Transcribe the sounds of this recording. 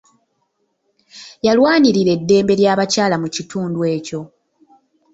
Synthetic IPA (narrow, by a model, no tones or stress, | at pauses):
jalwaːniɾiɾe̞dːe̞ːmbe̞ɾjaːβacaːlamucituːndwe̞ːco̞